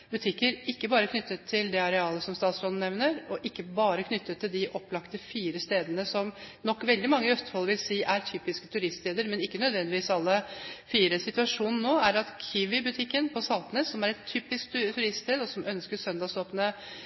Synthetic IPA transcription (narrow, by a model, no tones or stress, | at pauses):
bʉt̪ʰɪkːəɾɪkːəbɑːɾəkʰnʏt̪ːət̪ʰːɪld̪ɛɑɾɛɑːləsɔmst̪ɑːt̪sɾɔːd̪n̩ɛʋnəɾɔʔɪkːəbɑːɾəkʰnʏt̪ːət̪ʰːɪld̪ɪʔɔplɑkt̪əfiːɾəst̪eːd̪ənəsɔmnɔkːʋɛld̪ɪmɑŋːəœst̪ə̥hɔlʋɪlsiːʔæɾt̪ʰyːpɪskə̥t̪ʰʉɾɪst̪st̪eːd̪əɾmɛnɪkːənœd̪ʋɛnd̪ɪʋiːsɑlːəfiːɾəsɪt̪ʉɑʂuːnn̩noːæɾɑt̪kʰyːʋɪbʉt̪ʰɪkːənpʰɔsɑlt̪ənəsɔmæɾɛt̪ʰːyːpɪskt̪t̪ʰʉɾɪst̪st̪eːd̪ɔsɔmʔœnskəʂœnd̪ɑːsoːpnə